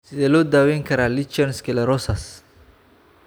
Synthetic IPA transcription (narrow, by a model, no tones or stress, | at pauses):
sɪðɛːlɔːd̪aːwɛːŋkʰɐɾaːlɪt͡ʃɛnskʰɛlɐɾɔsɐs